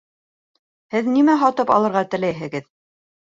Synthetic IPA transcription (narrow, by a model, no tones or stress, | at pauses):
hɘðnimæɦɑt̪ɤpɑ̰lˠɤ̆ɾʁɑt̪ɘ̆læjɦɘ̆ɡɘð